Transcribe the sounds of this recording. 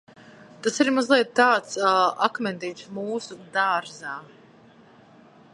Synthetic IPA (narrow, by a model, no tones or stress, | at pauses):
t̪asiɾmazlˠiɛt̪t̪aːt̪sakmɛnd̪iːsmuːsud̪aɾzaː